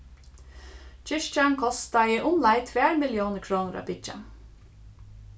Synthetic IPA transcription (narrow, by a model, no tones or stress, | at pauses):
t͡ʃɪʃt͡ʃaŋkʰɔst̪ɑiːʔʊnlɑɪt̪ʰʋeːɾmɪljoːnəkʰɾoːnəɾɑ̰bɪd͡ʒa̰